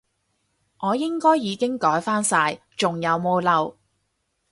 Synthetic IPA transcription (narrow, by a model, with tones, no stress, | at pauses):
ŋʔɔː˨˧jɪ˥ŋkɔː˥jːiː˨˧kɪ˥ŋkɔː˨˥jfaː˥nsaː˧j | t͡ʃʊ˨ŋjɐ˨˧wmo˧wlɐ˨w